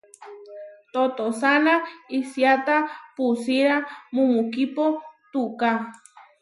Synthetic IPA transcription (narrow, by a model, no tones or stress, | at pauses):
t̪ot̪osanaisjat̪apusiɾamumukipot̪uka